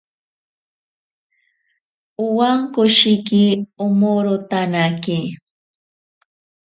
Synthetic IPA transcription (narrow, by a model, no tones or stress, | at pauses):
ʊwaŋkʊʃɪkiʊmoɾʊt̪anaki